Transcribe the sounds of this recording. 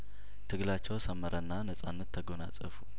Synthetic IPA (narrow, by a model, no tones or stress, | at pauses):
t̪ʰɨɡlat͡ʃːɛwsəmːəɾʔənːanəsʼanːət̪ʰːəɡo̞na̰t͡sʼə̰fu